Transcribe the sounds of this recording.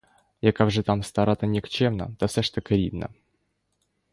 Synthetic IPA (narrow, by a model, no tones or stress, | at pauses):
jakavʐɨt̪amst̪aɾat̪ənʲɪkt͡ɕɛmnə̰t̪ɐfsʲaʂt̪əkɐɾʲḭb̪nə̰